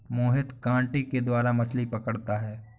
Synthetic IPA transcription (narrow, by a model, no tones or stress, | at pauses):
moːɦɪt̪kãːʈeked̪waːɾamɐslipɐkəɽt̪aɦɛː